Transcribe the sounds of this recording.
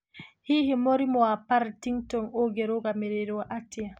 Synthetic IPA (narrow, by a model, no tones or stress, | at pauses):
hihimoɾimɔwapaɾtiŋtɔnoɡɛɾɔɡamɛɾɛɾɔwaʔatːija